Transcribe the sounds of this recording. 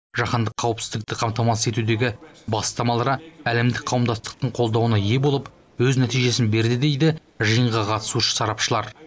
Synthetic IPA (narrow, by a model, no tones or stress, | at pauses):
ʒ̥ɑχɑnd̪əqʰːɑwəpsɪzd̪ɪk̚t̪ɪqʰɑmt̪ɑmɑse̞t̪ud̪e̞ɡʲɪbɑst̪ɑmɑlˠɑɾɑæle̞md̪ɪk̚qʰɑwəmd̪ɑst̪ə̥q̚t̪əɴqʰo̞lˠd̪ɑwənɑje̞bo̞lˠəp | wɵznæt̪ijʒe̞sɪnbe̞ɾd̪ɪd̪e̞jd̪ɪ | ʒəjəɴʁɑqʰɑt̪ə̥suʃə̥sɑɾɑpʃəlˠɑɾ